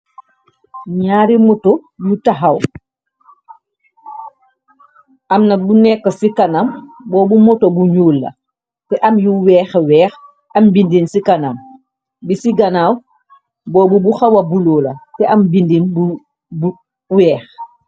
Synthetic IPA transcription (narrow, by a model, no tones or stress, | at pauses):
ɲaːɾimɔtɔjutaɦaw | ʔɐmnɐbunɛkːɐsikanambɔːbumɔtobuɲuːlːɐ̰ | tɛʔɐmjuwɛːxwɛːx | ʔɐmbindinsikanam | bisiɡanaːw | bɔːbubuxawɐbulɔːlɐtɛʔɐmbindinbu | b | wɛːx